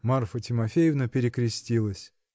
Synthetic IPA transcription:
marfətʲɪmɐfʲejɪvnəpʲɪɾʲɪkɾʲɪsʲtʲilˠəsʲ

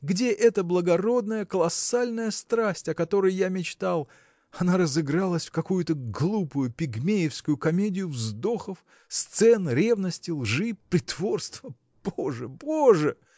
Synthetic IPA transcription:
ɡdʲe̞ʔɛt̪əblˠəɡɐɾo̞d̪nəjəkəlˠɐsalʲnəjəst̪ɾasʲtʲɐkɐt̪o̞ɾəjjamʲɪt͡ɕt̪alˠ | ɐnaɾəzɨɡɾalˠəsʲfkɐkujʊt̪əɡlˠupʊjʊpʲɪɡmʲejɪfskʊjʊkɐmʲedʲɪjʊvzd̪o̞xəf | st̪sɛnɾʲe̞vnəsʲtʲɪlˠʐɨpɾʲɪt̪vo̞rst̪və | b̥oʐɨboʐɨ

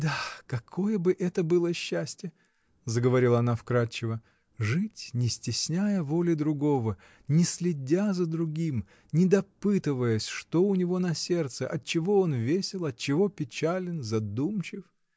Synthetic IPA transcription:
d̪akɐkʰo̞jəbɨʔɛt̪əbɨlˠəɕːæsʲtʲjə | zəɡəvɐɾʲilˠɐnafkɾat͡ɕːɪvə | ʐɨtʲnʲɪsʲtʲɪsʲnʲajəvo̞lʲɪd̪ɾʊɡo̞və | nʲɪsʲlʲɪdʲazəd̪ɾʊɡʲim | nʲɪd̪ɐpɨt̪ɨvəjəsʲʂt̪oʊnʲɪvo̞nɐsʲe̞rt̪sɨʔɐt̪̚t͡ɕɪvo̞onvʲesʲɪlˠɐt̪̚t͡ɕɪvo̞pʲɪt͡ɕælʲɪnzɐd̪umt͡ɕɪf

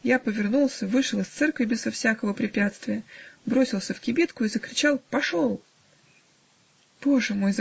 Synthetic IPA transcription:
japəvʲɪrnulˠsʲəvɨʂəlˠɨst̪sɛrkvʲɪbʲɪzɐfsʲakəvəpɾʲɪpʲat̪st̪vʲɪjəbɾo̞sʲɪlˠsʲəfkʲɪbʲit̪kʊizəkɾʲɪt͡ɕalˠpɐʂolˠ | p̪oʐɨmo̞jz

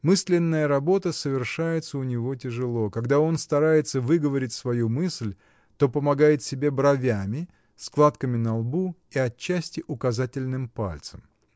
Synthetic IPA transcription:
mɨsʲlʲɪnːəjəɾɐbo̞t̪əsəvʲɪrʂajɪt̪səʊnʲɪvo̞tʲɪʐɨlˠo̞kɐɡd̪ao̞nst̪ɐɾajɪt̪səvɨɡəvəɾʲɪtʲsvɐjumɨsʲlʲ | t̪o̞pəmɐɡajɪt̪sʲɪbʲe̞bɾɐvʲæmʲɪ | sklˠat̪kəmʲɪnɐlˠbuiɐt͡ɕːæsʲtʲɪʔʊkɐzatʲɪlʲnɨmpa̰lʲt̪səm

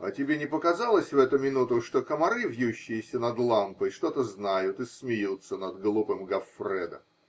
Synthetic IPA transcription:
ɐ̰tʲɪbʲenʲɪpəkɐzalˠəsʲvɛt̪ʊmʲɪnut̪ʊʂt̪o̞kəmɐɾɨvjuɕːɪjɪsʲənɐd̪lˠampəjʂt̪o̞t̪əznajʊt̪ɨsmʲɪjut̪sːənɐd̪ɡəlˠupɨmɡɐfrɛd̪ə̰

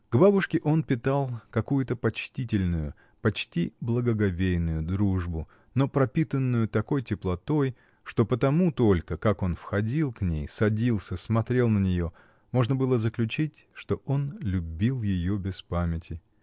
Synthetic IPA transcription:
ɡ̥babʊʂkʲɪʔo̞npʲɪt̪alˠkɐkujʊt̪əpɐt͡ɕtʲitʲɪlʲnʊjʊ | pɐt͡ɕtʲiblˠəɡəɡɐvʲejnʊjʊd̪ɾuʐbʊ | no̞pɾɐpʲit̪ənːʊjʊt̪ɐko̞jtʲɪplˠɐt̪o̞j | ʂt̪o̞pət̪ɐmut̪o̞lʲkəkako̞nfxɐdʲilˠknʲḛjsɐdʲilˠsʲəsmɐt̪ɾʲe̞lˠnənʲɪjo̞ | mo̞ʐnəbɨlˠəzəklʲʉt͡ɕitʲʂt̪o̞o̞nlʲʊbʲilˠjɪjo̞bʲɪspamʲɪtʲɪ

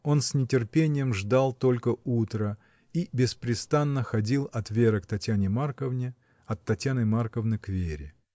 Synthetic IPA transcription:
o̞nsʲnʲɪtʲɪrpʲenʲɪjəmʐd̪alˠt̪o̞lʲkəut̪ɾə | ibʲɪspɾʲɪst̪anːəxɐdʲilˠɐt̪vʲeɾəkt̪ɐtʲjanʲɪmarkəvnʲɪ | ɐt̪ːɐtʲjanɨmarkəvnɨkvʲeɾʲɪ

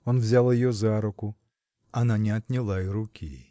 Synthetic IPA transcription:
ɔnvzʲalˠɐjjɔzaɾʊkʊ | ɐnanʲɛɐt̪ʲnʲilˠaiɾʊkʲḭ

